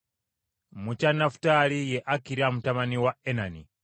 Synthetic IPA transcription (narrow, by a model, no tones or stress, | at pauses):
mut͡ʃanafu̥talijɛʔakiɾamutamaniwaɛnanḭ